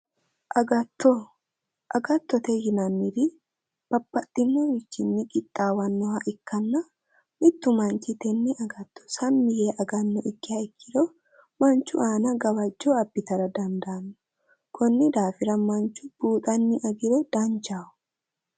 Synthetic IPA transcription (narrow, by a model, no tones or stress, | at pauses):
ʔɐɡɐt̪ːɔ | ʔɐɡɐt̪ːɔt̪ɛhɪnɐnːɪɾi | b̥ɐbːɐt̪ʼːɪmːɔwɪt͡ʃːɪnːɪkʼɪt̪ʼːaːwɐnːɔɦɐʔɪkːɐnːɐ | mɪt̪ːʊmɐnt͡ʃːɪt̪ɛnːɪʔɐɡɐt̪ːɔ̥sɐmːɪjeʔɐɡɐnːɔʔɪkːɪɐɪkʰːɪd̪o | mɐnt͡ʃːʊaːnɐɡɐwɐd͡ʒːoɐbːɪt̪ɐɾɐd̪ɐnd̪aːnːʊ̥ | kʰɔnːɪd̪aːfɪɾɐmɐnt͡ʃːʊb̥uːt̪ʼɐnːɪʔɐɡɪɾɛd̪̥ant͡ʃaːʊ̥